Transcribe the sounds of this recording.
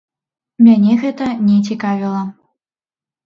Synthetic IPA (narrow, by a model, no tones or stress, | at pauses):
mʲanʲɛɣɛt̪ɐnʲɛt͡sʲikavʲilˠɐ